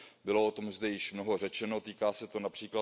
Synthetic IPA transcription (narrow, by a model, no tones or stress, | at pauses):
bɪlo̞ʔot̪o̞mzd̪ɛjɪʃmnoɦo̞r̝ɛt͡ʃɛno̞t̪iːkaːsɛt̪onapr̥iːkla